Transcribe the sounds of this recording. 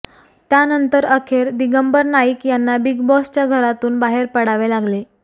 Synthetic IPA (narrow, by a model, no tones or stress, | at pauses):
t̪janənt̪əɾəkʰeɾd̪iɡəmbəɾnaikjanːabiɡbɔst͡ɕjaɡʱəɾat̪uːnbaɦeɾpəɽaʋelaɡle